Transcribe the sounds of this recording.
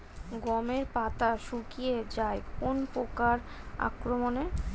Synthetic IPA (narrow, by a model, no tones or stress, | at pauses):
ɡɔmeɾpat̪aʃukijed͡ʑaekonpokaɾa̰kɾomone